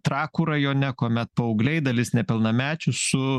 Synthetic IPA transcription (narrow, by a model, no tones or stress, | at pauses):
t̪ɾɑːkuːɾɐjoːnʲɛkoːmʲɛt̪̚pɐʊɡlʲɛɪd̪ɐlʲɪsnʲɛpʲɪlˠnɐmʲæːt͡ʃʲʊsʊ